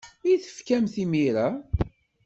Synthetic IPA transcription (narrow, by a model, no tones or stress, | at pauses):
iθə̥fkæmθimiɾa